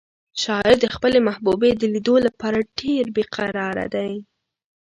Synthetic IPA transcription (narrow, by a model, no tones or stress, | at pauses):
ʃɑɪɾd̪əxpəlemahbubed̪əlid̪olapɑɾaɖeɾbeqʰaɾɑɾa̰d̪aj